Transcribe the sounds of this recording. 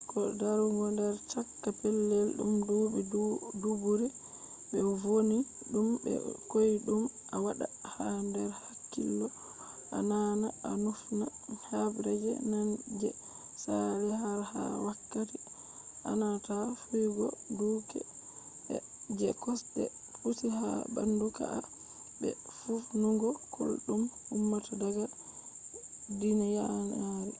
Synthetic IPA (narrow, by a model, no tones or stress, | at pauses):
kɔdaɾuŋɡɔndɛɾt͡ʃakːapɛlːɛlɗṵmdubiddubuɾi | ɓɛvoni | ɗumbɛ̰kojɗumʔawaɗa̰handɛɾhakːḭlːɔ | ʔa̰nanaanufna | habɾɛd͡ʒɛ̰nand͡ʒɛ | saɾɛhaɾha̰wakːati | ʔanatafujɡɔduːkɛ̰ | ɛ̰ | d͡ʒɛkɔstɛfutiɦa̰ba̰nduka̰ʔa | bɛ | fufnuɡɔkʰo̰lɗumumːatʰadaɡa | dinijanaɾi